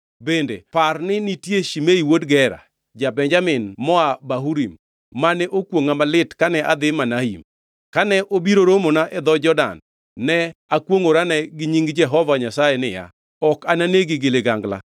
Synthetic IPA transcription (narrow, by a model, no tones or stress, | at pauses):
bendḛparnɪnitjeʃimeiwodɡɛɾa̰ | d͡ʒabɛɲd͡ʒamɪnmɔabaɦuɾimː | anɛʔokwoŋamalɪtkanɛʔad̪ɪmanaḭm | kanɛʔobiɾoɾomonaʔɛd̪ɔd͡ʒɔda̰nː | ɛakwoŋoɾanɛɡɪɲiŋɡd͡ʒɛɦɔvaɲasajenɪ̰ja̰ | ɔkananeɡɪɡɪlɪɡaŋɡla̰